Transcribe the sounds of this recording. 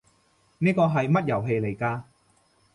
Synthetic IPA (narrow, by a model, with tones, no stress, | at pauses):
niː˥kɔː˧ɦɐ˨jmɐ˥t̚jɐ˨˩wɦe˨˧jle˨˩jkaː˧